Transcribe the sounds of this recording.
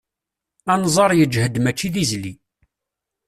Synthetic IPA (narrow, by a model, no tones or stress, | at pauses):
ænzˤɑɾˤjəd͡ʒhəd̪mæt͡ʃːiðizli